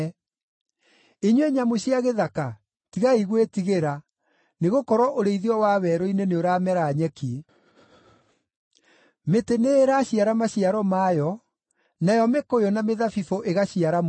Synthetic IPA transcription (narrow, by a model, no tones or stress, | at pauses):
eɲweɲamoɕiaɣeðaka | tiɣaiɣwetiɣeɾa | neɣokɔɾwɔʔoɾeiðiɔwaβɛɾoineneoɾamɛɾaɲɛki | meteneːɾaɕiaɾamaɕiaɾɔmajɔ | najɔmekojɔnameðafifoʔeɣaɕiaɾam